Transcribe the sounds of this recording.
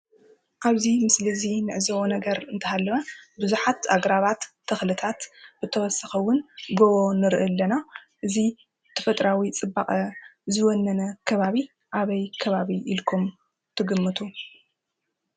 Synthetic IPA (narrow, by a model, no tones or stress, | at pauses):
ʔaβzimɨslɨzinɨʕɨzɐwonɐɡɐɾɨnt̪ʰɐhalːɐnabɨzuħat̪aɡɾaβat̪ʰːɐxlɨt̪ʰat̪b̥ɨt̪ʰɐwɔsɐxɐwʊnɡoβonɨɾʔɨlːɐnaʔɨzi | t̪ʰɐfɐt̪ʼɾawit͡sʼɨbːaχʼɐzɨwɔnːɐnɐkʰɐβaβi | ʔaβɐjkʰɐβaβiʔilkʰum | t̪ʰɨɡɨmːɨt̪ʰu